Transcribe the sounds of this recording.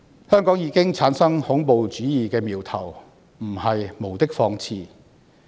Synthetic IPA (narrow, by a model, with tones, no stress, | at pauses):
hœː˥ŋkɔː˨˥ŋjiː˧kɪ˥ŋt͡sʰaː˨˥nsɐ˥ŋhʊ˨˥ŋpo˨wt͡ʃyː˨˥jiː˨˧kɛː˧miː˨˩wt̪ʰɐ˨˩w | m̩˨˩hɐ˨jmo˨˩wt̪ɪ˥k̚fɔː˧ŋt͡sʰiː˧